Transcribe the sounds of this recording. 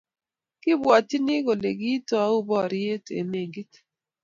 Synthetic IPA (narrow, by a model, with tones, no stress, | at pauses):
kɪ˦bwa˨ti˦nɪ˦ɡo˨le˨ɡi˦tɔ˦a˨˦ʊ˦bɔ˦˨ɾɪ˦e˦tḛ˨me˨ɡi˦t